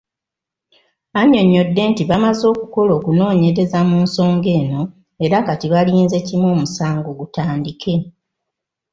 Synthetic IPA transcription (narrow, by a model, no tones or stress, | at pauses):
aɲo̞ɲːo̞dːe̞ːntiβamazo̞ːkuko̞lo̞ːkuno̞ːɲeɾe̞zamuːnso̞ːŋɡe̞ːno̞ | e̞ɾakatiβaliːnze̞cimo̞ːmusaːŋɡoɡutaːndikʰe̞